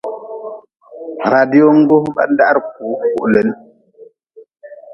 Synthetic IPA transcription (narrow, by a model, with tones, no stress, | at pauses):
ɾa˨di˦o˦ŋ̩˦ɡo˦ba̰˦n˦da˦ʔɾk̚u˨˦ku˨ʔlə˨˦n